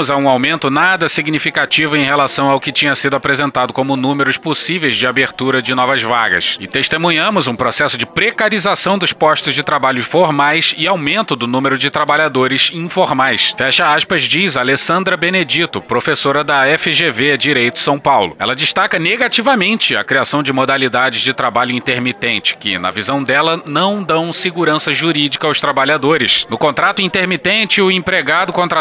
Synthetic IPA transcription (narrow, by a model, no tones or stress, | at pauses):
ʊzɐũawmẽnt̪ʊnad̪ɐsiɡnifikat͡ʃivʊẽj̃helasɐ̃w̃aʊwkɪt͡ʃĩɲɐsid̪ʊapɾezẽnt̪ad̪ʊkõmʊnũmeɾʊsposivejzd͡ʒɪabeɾt̪uɾɐd͡ʒɪnɔvɐzvaɡɐ̰sɪt̪eʃt̪emũɲɐ̃mʊzũpɾosɛsʊd͡ʒɪpɾekaɾizasɐ̃w̃d̪ʊspɔʃt̪ʊzd͡ʒɪt̪ɾabaʎʊfoɾmajsɪawmẽnt̪ʊd̪ʊnũmeɾʊd͡ʒɪt̪ɾabaʎad̪oɾɪzĩfoɾmajsfɛʃɐaʃpɐzd͡ʒizalesɐ̃nd̪ɾɐbened͡ʒit̪ʊpɾofesoɾɐd̪ɐɛfɪʒeved͡ʒiɾejt̪ʊ̥sɐ̃w̃pawlʊ̰ɛ̰lɐd͡ʒɪʃt̪akɐneɡat͡ʃivɐmẽnt͡ʃɪɐ̰kɾiasɐ̃w̃d͡ʒɪmod̪alid̪ad͡ʒɪzd͡ʒɪt̪ɾabaʎʊĩnt̪eɾmit̪ẽnt͡ʃɪ̥kɪ̰nɐ̰vizɐ̃w̃d̪ɛlɐnɐ̃w̃d̪ɐ̃w̃sɪɡuɾɐ̃sɐʒuɾid͡ʒikɐawst̪ɾabaʎad̪oɾɪsnʊkõnt̪ɾat̪ʊĩnt̪eɾmit̪ẽnt͡ʃɪʊĩpɾeɡad̪ʊkõt̪ɾa